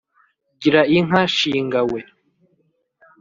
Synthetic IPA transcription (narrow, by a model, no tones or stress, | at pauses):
ɟiɾaiŋ̥ɦaʃiːŋɡawe